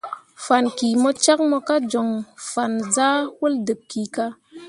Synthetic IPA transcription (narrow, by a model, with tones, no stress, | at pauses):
fa˨nki˨mo˧t͡ʃa˦k̚mɔ˧ka˦d͡ʒo˨ŋfa˨nza˦wu˦ldɨ˨p̚ki˨ka˧